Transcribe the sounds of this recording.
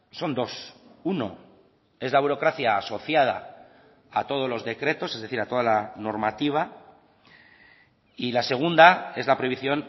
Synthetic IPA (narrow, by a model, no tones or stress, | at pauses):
so̞nd̪o̞suno̞ | e̞zlaβ̞uɾo̞kɾaθjaːso̞θjað̞a̰ː | t̪o̞ð̞o̞zlo̞zðe̞kɾe̞t̪ose̞zðeθiɾat̪o̞ð̞alano̞ɾmat̪iβ̞a | ilase̞ɣ̞und̪ae̞zlapɾo̞jβiθjo̞n